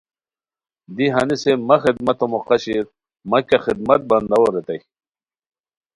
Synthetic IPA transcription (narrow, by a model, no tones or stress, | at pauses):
d̪iɦɐnisemɐxid̪mɐt̪omoqɐɕiɾ | mɐkʲaxid̪̚mɐt̪̚bɐnd̪ɐwoɾet̪ɐj